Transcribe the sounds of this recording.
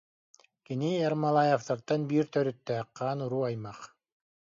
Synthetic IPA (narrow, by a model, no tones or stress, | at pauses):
kiniɛɾmalˠajɛft̪aɾt̪anbiːɾt̪œɾyt̪ːɛqːaːnuɾuːajmaq